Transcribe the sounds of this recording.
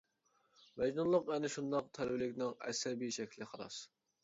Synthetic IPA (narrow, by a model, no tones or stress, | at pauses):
mɛd͡ʒnunlˠəqɛnɪʃund̪ɑq̚t̪ʰɛlbɪlɪkʲnɪŋɛ̰sɛbiʃɛkʲʰlɪχɑɾɑ̰s